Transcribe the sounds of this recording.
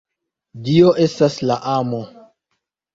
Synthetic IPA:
dio̞ʔe̞staslaʔamo

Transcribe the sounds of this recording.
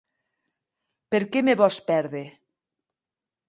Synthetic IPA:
peɾkemeβɔspɛɾðe

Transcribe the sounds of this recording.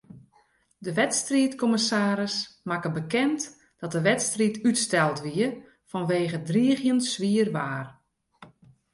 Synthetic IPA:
dəʋɛtstriətkɔməsaːɾəsmakəbəkɛnt | d̥ɔt̚dəʋɛtstritʰytstɛlˠtʋiə | fɔnʋeːɣədriːəɣjənsʋiːərʋaːr

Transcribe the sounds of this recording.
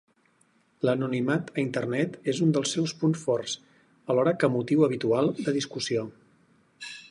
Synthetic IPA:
lənunimat̪əint̪ərnɛt̪ezund̪əlˠsːɛwspunsfɔrs | əlɔɾəkəmut̪iwəβ̞it̪ualˠd̪əðiskusio

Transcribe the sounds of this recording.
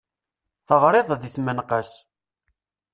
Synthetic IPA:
θəvɾˤeðˤd̪iθmənqəs

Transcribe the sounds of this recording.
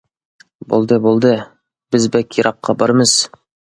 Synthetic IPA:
bṵlˠd̪ɤbulˠd̪ɤ | b̥ɘzbækʲiɾʔɑqːɑbɑɾmɤz̥

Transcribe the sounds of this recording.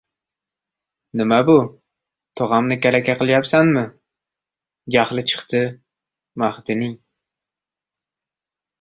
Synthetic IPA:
nɪmabʊ | t̪ʰoʁɑmnɪkʲaɾakʲʰaqʰɨlˠjapsanmɪ | ɡʲaχlˠɪt͡ʃʰɨ̥χt̪ʰɪ | maχt̪ɪnɪŋ

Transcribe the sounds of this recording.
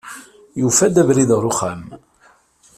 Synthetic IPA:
jufæd̪ævɾiðʁɾuχæm

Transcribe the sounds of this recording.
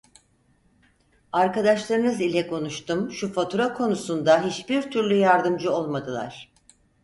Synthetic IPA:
aɾkad̪aʃlˠaɾɯnɯzilʲɛkʰo̞nuʃt̪umʃufat̪ʰuɾakʰo̞nusund̪aɦit͡ʃbiɾt̪ʰyɾlʲyjaɾd̪ɯmd͡ʒɯo̞lˠmad̪ɯlˠa̰ɾ̥

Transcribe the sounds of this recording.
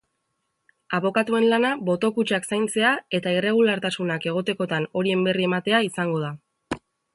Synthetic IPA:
aβo̞kat̪ue̞nlanaβo̞t̪o̞kut͡ʃaksajnt͡se̞ae̞t̪aire̞ɣ̞ulaɾt̪asunake̞ɣ̞o̞t̪e̞ko̞t̪ano̞ɾie̞mbe̞rie̞mat̪e̞aisaŋɡo̞ð̞a

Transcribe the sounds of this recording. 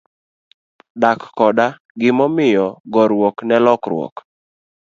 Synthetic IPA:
dakːɔda | ɡɪmɔmɪjɔɡɔɾwɔknɛlɔkrwɔ̰k

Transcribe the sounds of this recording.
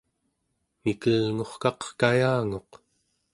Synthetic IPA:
mikəlŋo̞χkɑqkajaːŋo̞q

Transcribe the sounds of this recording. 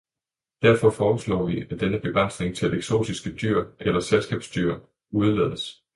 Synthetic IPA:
d̥æɐ̰fɒ̽fɒːb̥əslɒ̰ːʋiæd̥enəb̥e̝ɡ̥ʁɑn̰sne̝ŋt͡sʰe̝leɡ̥so̝̰ːdisɡ̥əd̥yɐ̰ʔelɐselsɡ̥ɛ̰ːb̥sd̥yɐ̰ | uð̞ˠleð̰ˠəs

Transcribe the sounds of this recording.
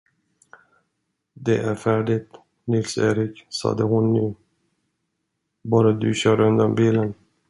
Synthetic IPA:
d̪ɛʔæɾfæːɖɪt̪ | nɪlseːɾɪksɑ̰ːd̪əhʊnːʉː | bɑːɾad̪ɵɕœːɾɵnd̪ambiːlən

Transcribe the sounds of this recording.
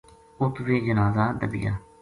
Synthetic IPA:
ʊt̪ʋeːd͡ʒənaːzaːd̪ə̰bɪ̰ja̰ː

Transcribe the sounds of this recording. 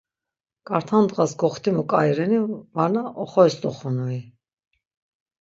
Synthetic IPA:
kʼaɾt̪ʰand̪ʁasɡɔχt̪ʰimɔkʼajɾɛnivanaʔɔχɔɛsd̪ɔχɔnui

